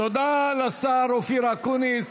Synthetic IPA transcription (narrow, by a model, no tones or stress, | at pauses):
t̪od̪alasaɾofiɾakunis